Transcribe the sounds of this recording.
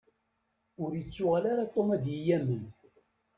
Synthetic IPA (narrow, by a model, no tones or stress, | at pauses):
ʊɾjət͡sːʊʁalaɾat̪ˤːomæd̪jijæmən